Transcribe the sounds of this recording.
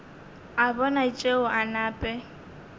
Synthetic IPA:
abɔnat͡ʃʼeʊʔanaːpʼɛ

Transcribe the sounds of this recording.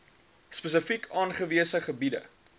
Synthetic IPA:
spəs̬əfikʰɑːnχəviəsəχəbidə̰

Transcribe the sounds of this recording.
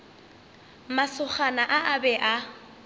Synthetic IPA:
masʊχanaʔaʔabɛʔa

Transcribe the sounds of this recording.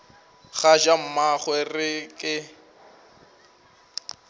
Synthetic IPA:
χaʒam̩maχwɛrɪkʼɪ

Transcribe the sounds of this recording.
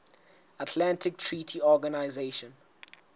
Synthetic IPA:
atʰlãntɪk̚tʰɹitʰiɔɡanaɪzeʃɔ̃n

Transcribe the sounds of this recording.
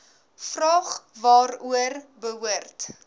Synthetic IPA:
frɑːχvɑːɾuərbəɦuərt

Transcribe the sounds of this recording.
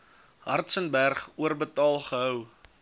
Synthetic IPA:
ɦɐ̰rtsənbærχuərbətɑːlˠχəɦœw

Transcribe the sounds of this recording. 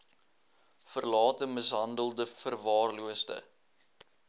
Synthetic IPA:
fərlɑːtəməsɦɐndəlˠdəfərvɑːrluəsdə̰

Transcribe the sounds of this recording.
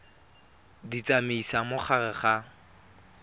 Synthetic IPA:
dit͡sʼamiisamʊχarɛχa

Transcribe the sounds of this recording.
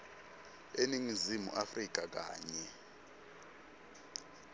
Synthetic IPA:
eniŋizimṵʔafrik̬ʼak̬ʼa̰ːɲɛ

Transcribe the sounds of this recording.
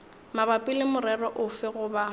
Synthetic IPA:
mabapʼɪlɪmʊɾɛrɔʔʊfɪɣʊba

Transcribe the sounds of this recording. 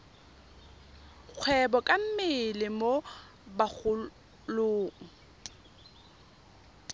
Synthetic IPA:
k͡xʰwɛbɔkʼam̩mɪlɪmo | bak͡xʰʊ | loːŋ̩

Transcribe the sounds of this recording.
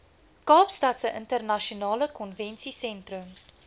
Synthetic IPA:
kɑːpstɐtsəʔəntərnɐʃionɑːləkɔnvɛnsisɛntrəm

